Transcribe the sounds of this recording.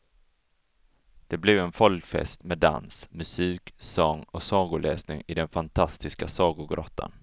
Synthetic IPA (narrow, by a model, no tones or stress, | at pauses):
d̪̥ɛblɛvɛnfɔlkfɛ̰st̪mɛd̪a̰nsmɵsiːksɔŋːɔsɑːɡʊɭɛːsnɪŋɪd̪ɛnfant̪ʰast̪ɪskasɑːɡʊɡɾɔt̪ʰːa̰n